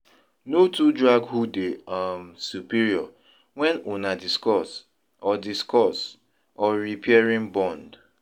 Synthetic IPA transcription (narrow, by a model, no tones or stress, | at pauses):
notudɹaɡhudeamsupiɾiɔ | wɛ̃nunadiskɔs | ɔdiskɔs | ɔɾipɛaɹĩmbɔ̃nd